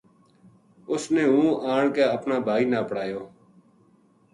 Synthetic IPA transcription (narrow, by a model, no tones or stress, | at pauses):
ʊsnẽːɦũːʔaːɳkeːəpnaːbʱaːiːnaːpɽaːjoː